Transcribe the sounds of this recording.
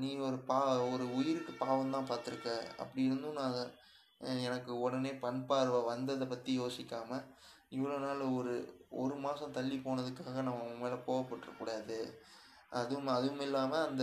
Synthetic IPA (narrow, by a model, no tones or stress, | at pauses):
niːɔɾɯpaːɔɾɯʊjɪɾɯkːɯpaːʋɐ̃mt̪ãːpaːɾt̪ɯɾɯkːɛ̃ːɐ̰pːɐɽɪɪɾɯnd̪ɯnãː | ɛnɐkːɯɔɽɐneːpɐɳpaːɾɯʋɐʋɐnd̪ɐðɐpɐt̪ːijoːsɪkːaːmɐ | ɪʋːɐɭoːnaːlɐɔɾɯɔ̰ɾɯmaːsɐ̃t̪ɐɭːipoːnɐðɯkːaːɣɐnɐmːɐmeːlɐkoːʋɐpːɐʈːrɾɐ̰kːuːɽaːðɯ | ʔɐðɯʋɯmɐðɯʋɯmɪlːaːmɐɐnd̪ɐ